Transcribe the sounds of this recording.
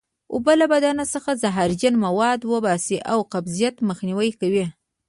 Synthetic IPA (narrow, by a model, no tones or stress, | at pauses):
obəlabad̪ɑnasəxazaɦaɾd͡ʒanmawɑd̪wəbɑsiʔawqabzijat̪məxniwəjkawi